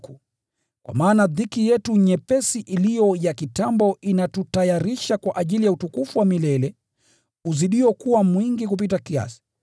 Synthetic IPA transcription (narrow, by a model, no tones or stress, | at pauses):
ku | kwa̰maːnaðikijɛtuɲɛpɛsiʔilijɔjakitambɔʔinatutajaɾiʃakwaʔaʄilijautukufuwamilɛlɛ | uziɗiɔkuwamwiŋɡikup̬it̬akia̰si̥